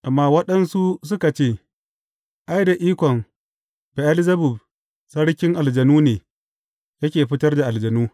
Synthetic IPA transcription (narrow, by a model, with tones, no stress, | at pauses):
ʔa˨mːaː˦wɐ˦ɗɐ˦nsu˦s̬ʊ˦ka˨t͡ʃeː˦˨ | ʔa˦jda˨ʔiː˦kʷɔ˨ŋ | bɛ˨ʔa˦lɪ˦zɐ˦bʊ˨b | sɐ˦ɽkʲɪ˦ŋʔa˨ld͡ʒɐ˨nuː˦neː˨ | jɐ˦kʲeː˨ɸɪ˦tɐ˦rda˨ʔa˨ld͡ʒɐ˨nuː˦